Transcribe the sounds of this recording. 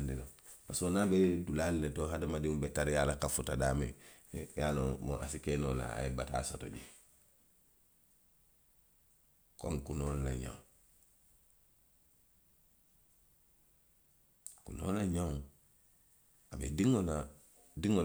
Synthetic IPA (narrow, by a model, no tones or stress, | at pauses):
ndino | pasonabedulalinetoɦadamadiŋubetaɾjaːlakafutadaːmḭjalomoa̰sikenola̰a̰ebata̰ːsoto̰ɟi | koŋkunoːlnaɲã̰w | kuno̰laɲa | abḛdiŋola | diŋo